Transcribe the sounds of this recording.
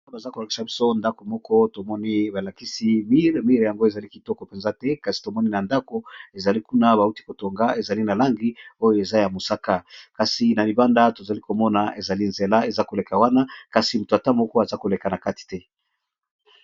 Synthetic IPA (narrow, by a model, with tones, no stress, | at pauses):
a˦ba˨za˦ko˨la˨ki̥˨sa˨bi˦so˦nda˦ko˨mɔ˦kɔ˦to˨mɔ˦ni˦ba˨la˨ki˦si˦mi˦ʁmi˦ʁja˨ŋɡo˦e˨za˨li˦ki˨tɔ˦kɔ˨pe˨nza˦tɛ˦ka˨si̥˨to˨mɔ˦ni˦na˨nda˦ko˦e˨za˨li˦ku˦na˦ba˨u˦ti˦ko˨to˨ŋɡa˦e˨za˨li˦na˨la˦ŋɡi˦o˦jo˦e˨za˦ja˨mo˨sa˦ka˦ka˨si˨na˨li˨ba˦nda˦to˨za˨li˦ko˨mɔ˦na˨ʔe˨za˨li˦nze˨la˦e˨za˦ko˨le˨ka˨wa˦na˦ka˨si˨mu˨to˨a˨ta˦mɔ˦kɔ˦a˨za˦ko˨le˨ka˨na˨ka˦ti̥˨tɛ˦